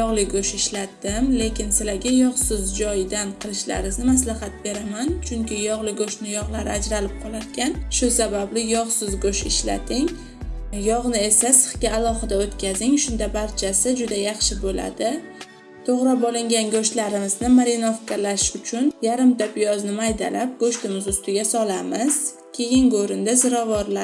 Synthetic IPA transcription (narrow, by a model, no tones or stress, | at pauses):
jɒʁlˠɪɡoʃɪʃlat̪ːɪmle̞kʲɪnsɪlaɡʲajɒʁsɪzd͡ʒɒjd̪anqʰɨlˠɪʃla̰ɾɪznɪmaslaɦat̪̚be̞ɾamant͡ʃʰʊŋkʲɪjɒʁlˠɪɡoʃnɪjɒʁlˠaɾɪad͡ʒɾalɪp̚qʰɒlˠaɾkʲanʃʊsabablɪjɒʁsɪzɡoʃɪʃla̰t̪ʰɪŋ | jɒʁnɪe̞sasɨ̥χkʲaːlˠɒχɨd̪aot̪kʲazɪŋʃʊnd̪abaɾt͡ʃʰasɪd͡ʒʊd̪ajɑχʃɪbola̰d̪ɪ | t̪ʰoʁɾɑbɒlˠɪŋɡʲanɡoʃtlaɾɪmɪznɪmaɾɪnofkalaʃʊt͡ʃʰʊnjaɾɪmt̪ʰapjɒznɪmajd̪alap̚ɡoʃt̪ɪmɪzʊst̪ɪɡʲasɒlamɪz̥ | kʲʰe̞jɪŋɡoɾɪnd̪azɪɾɒvɒɾla